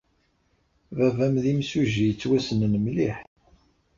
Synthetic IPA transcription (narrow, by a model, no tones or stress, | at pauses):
vævæmðimsuʒijət͡sːwæsənnəmliħ